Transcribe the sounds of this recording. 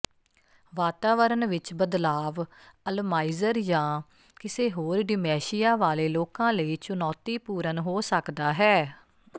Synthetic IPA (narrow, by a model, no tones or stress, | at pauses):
ʋaːt̪aːʋəɾənʋɪt͡ʃbəd̪laːʋəlmaːiːzəɾd͡ʒãː | kɪseːɦoːɾɖɪmɛːʃɪjaːʋaːleːloːkãːləiːt͡ʃʊnɔːt̪iːpuːɾənɦoːsəkd̪aːɦɛː